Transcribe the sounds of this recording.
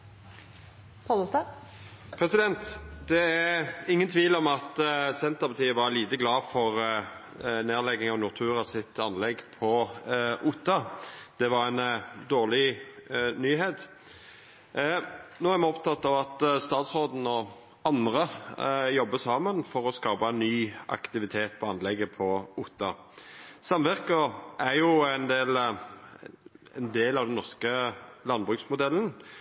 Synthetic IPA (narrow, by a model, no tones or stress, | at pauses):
pʰɔlɔst̪ɑ | pʰɾɛsɪd̪ɛnt̪d̪ɛæɪŋːənt̪ʰʋiːlɔmɑt̪sɛnt̪əpʰɑt̪ʰiːəʋɑɾliːt̪əɡlɑːfɔʁ | neːʁlɛɡɪŋɔnʊʁt̪ʰʉːɾɑsɪt̪ɑnlɛɡpʰɔʔʊt̪ːɑd̪̥ɛʋɑɾænd̪oːʁlɪ | nyːɦeːt̪ | noːæʁmɛɔpt̪ʰɑt̪ːɑʋɑt̪st̪ɑːt̪sʁoːd̪n̩ɔ | ɑnd̪ʁəjɔbːəsɑːmənfɔʁɔskɑːpɑnyːʔɑ̰kt̪ɪʋɪt̪ʰeːt̪̚pʰɔɑnlɛɡəpʰɔʊt̪ːɑ | sɑmʋæʁkəʔæʁjʊæɪnd̪eːl | ɛnd̪eːlɑʋd̪ɛnːɔʁskəlɑnbʁʉksmʊd̪ɛlːən